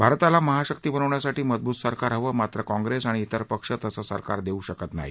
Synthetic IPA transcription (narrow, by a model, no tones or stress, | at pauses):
bʱaɾt̪alaməɦaɕəkt̪iːbənəʋɳjasaʈiːməd̪̚buːt̪səɾkaɾɦəʋəmat̪ɾəkɔ̃ŋɡɾesaɽ̃iːt̪əɾpəkʂət̪əsasə̰ɾka̰ɾd̪euɕəkət̪na̰ɦḭ